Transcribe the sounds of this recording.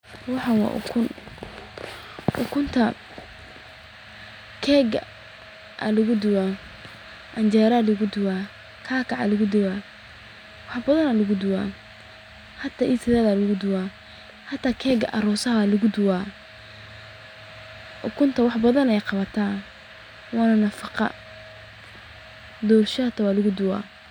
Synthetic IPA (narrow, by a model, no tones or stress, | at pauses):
wɑħɑwɑ̰ʔkʰʊn | ʔʊkʰʊnt̪ʰɐ | kʰɛːɡ | ʔɐ̰lʊɣʊd̪ʊwa | ʔɐɲt͡ʃɛːɾalʊɣʊd̪ʊwaː | kʰaːkʰɑʕɑ̰lʊɣʊd̪ʊwa | wɑħbɐðɐnɐlʊɣʊd̪ʊwa̰ː | hɐt̪ʰaʔɪsɪðɛːðaːlʊɣʊd̪ʊwaː | hɑt̪ʰːaːkʰɛːɡɐʔɐɾɔsɐɦalʊɣʊd̪ʊwaː | kʰʊnt̪ʰɐwɑħbɐðɐnɛjqɑβɐt̪ʰaː | wɑːnɐnɐfɑqɑ̰ | d̪ɔːrʃɐt̪ʰɐwɑːlʊɣʊd̪ʊwa̰ː